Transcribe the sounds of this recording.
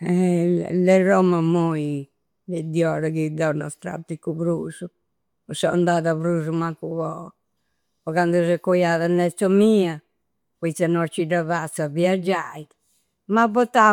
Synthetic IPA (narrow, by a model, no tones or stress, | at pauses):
ɛ̰lɛrɔmamoi | lɛd̪jɔɾakid̪ɔnɔst̪ɾa̰t̪ːikuβɾusu | ɔsɔa̰nd̪aðaβɾuːs̬umakuβɔ | ɔkand̪usɛkːɔjaðanːɛsːɔmia | pwit̪sanɔt͡ʃːidaβat̪sːaviad͡ʒajt̪ | mabɔt̪ːa